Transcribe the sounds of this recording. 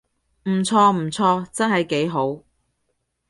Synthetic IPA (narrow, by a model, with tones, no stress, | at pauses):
m̩˨˩t͡sʰɔː˧m̩˨˩t͡sʰɔː˧t͡sɐ˥nɦɐ˨jke˨˥jɦo˨˥w